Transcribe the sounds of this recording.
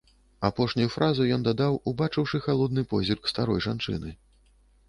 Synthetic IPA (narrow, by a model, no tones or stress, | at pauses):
apɔʂnʲujufɾʔazujɔnd̪ad̪awubat͡ʂɨwʂɨxalˠɔd̪̚nɨpɔzʲirkst̪aɾɔjʐant͡ʂɨ̰nɨ